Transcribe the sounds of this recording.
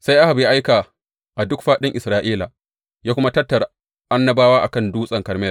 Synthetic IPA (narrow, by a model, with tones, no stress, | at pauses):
sa˦jʔa˦ha˨bja˦ʔa˦jkaː˨ | ʔa˨dʊ˦kɸaː˦ɗɪ˦ŋʔɪ˨sɾaː˦ʔiː˦la˨ | jaː˦kʷʊ˦ma˦tɐ˦tːɐ˨ɾ | ʔa˦nːɐ˦baː˦waː˦ʔa̰˨kɐ˦nduː˦sʼɐ˨ŋkɐ˨ɾmɛː˦